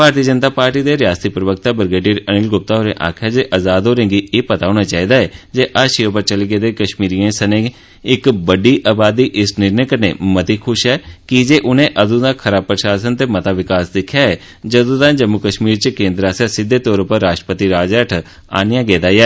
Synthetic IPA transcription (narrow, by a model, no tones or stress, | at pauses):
bʱaːɾt̪iːəd͡ʒənt̪aːpaːɾʈiːd̪eːɾjaːst̪iːpɾəʋək̚t̪aːbəɾɡeːɖiːɾənɪːlɡʊp̚t̪aːɦoːɾḛ̃ːʔa̰ːkʰjaːd͡ʒeːʔəzaːd̪ɦoːɾẽːɡiːeːpət̪aːɦoːñaːt͡ʃaːiːd̪aːɛːd͡ʒeːʔaːʃioːpəɾt͡ʃəliɡeːd̪eːkəʃmiːɾiːãːsənek | ɪkbəɖiːʔaːbaːd̪iːʔɪsnɪɾneːkəɾnḛːmət̪iːkʰʊʃɦɛːkɪd͡ʒeːʔʊnẽːʔəd̪ũːd̪aːkʰəɾaːb̚pɾəʃaːsənt̪eːmət̪aːʋɪkaːsd̪ɪkʰːjaːɛː | d͡ʒəd̪ũːt̪ãːd͡ʒəmːʊkəʃmiːɾt͡ʃəkẽːnd̪ɾaːsaːsɪd̪ːeːt̪ɔːɾpəɾːaːʃʈəpət̪iːɾaːd͡ʒɛːʈʰ | a̰ːnɪjãːɡeːd̪aːɛː